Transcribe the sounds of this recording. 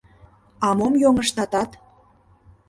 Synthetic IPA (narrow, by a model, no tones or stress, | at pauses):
ɑmomjoŋəʃt̪ɑt̪ɑt̪